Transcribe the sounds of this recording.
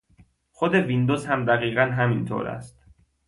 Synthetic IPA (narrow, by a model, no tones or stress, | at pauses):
xod̪e̞vind̪ozhæmd̪æɣiːɣænɦæmint̪ʰo̰ɾæ̰st̪